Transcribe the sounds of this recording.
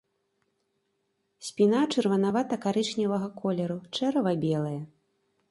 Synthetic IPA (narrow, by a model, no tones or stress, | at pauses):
sʲpʲin̪at͡ʂɨrvɐnavat̪ɐkaɾɨt͡ʂnʲɐvɐɣɐkʰɔlʲɛɾut͡ʂɛɾɐvɐbʲɛlˠɐjɐ